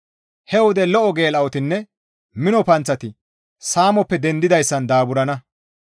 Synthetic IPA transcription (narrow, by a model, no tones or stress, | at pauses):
hɛwɔd̪ɛlɔʔɔɡe̞ːlɐwɔt̪ɪnːɛ | mɪnɔpɐnt͡sːɐt̪ɪ | saːmɔpːɛd̪ɛnd̪ɪd̪ɐjsːɐnd̪aːbʊɾɐnɐ